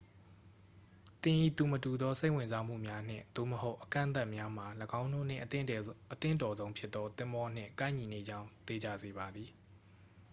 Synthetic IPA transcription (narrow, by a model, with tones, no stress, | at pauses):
t̪ɪ̃˨ʔḭ˦˨t̪u˨mətu˨d̪ɔ˦se˦ɪʔwɪ̃˨nza˦m̥ṵ˦˨mja˦n̥ɪ̰̃˦˨d̪̥o̰˦˨məho˦ʊʔəkã̰˦ʔnt̪̬a˦ʔmja˦m̥a˨ləɡã˦ʊ̃no̰˦˨n̥ɪ̰̃˨ʔʔət̪ɪ̰̃˦˨ntɔ˨zõ˦ʊ̃pʰjɪ˦t̪ːɔ˦t̪ɪ̃˦mbɔ˦n̥ɪ̰̃˦˨ŋkã˦ɪ̃ɲi˨ne˨d͡ʑã˦ʊ̃nt̪e˨d͡ʑa̰˦˨ze˨βa˨d̪ði˨